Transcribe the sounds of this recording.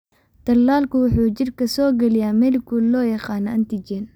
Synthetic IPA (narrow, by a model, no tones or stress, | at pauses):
t̪ʰɐlːaːlkʰʊwʊħuːt͡ʃɪrkʰɐsɔːɡɐlɪjaːmɛlɪkʰʊlɔːjɐqɑːnɐɐnt̪id͡ʒɛn